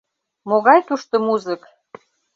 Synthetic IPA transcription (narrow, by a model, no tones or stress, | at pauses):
moɣɑjt̪uʃt̪omuzək